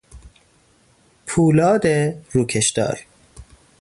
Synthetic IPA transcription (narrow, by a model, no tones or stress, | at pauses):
pʰuːlɒːd̪eɾuːkʰeʃd̪ɒ̰ːɾ